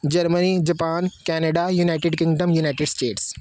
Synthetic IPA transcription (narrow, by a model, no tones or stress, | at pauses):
d͡ʒɐɾmənid͡ʒɐpaːnkɛːneɖajuːnaːɪʈeɖkɪ̃ŋɡɖəmjuːnaːɪʈeɖsʈeːʈs